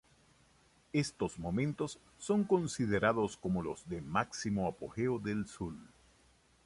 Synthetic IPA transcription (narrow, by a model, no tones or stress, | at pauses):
e̞st̪o̞zmo̞mẽ̞nt̪o̞sː | o̞ŋko̞nsiðe̞ɾaðosko̞molozðe̞maksimoapo̰xeoðelsul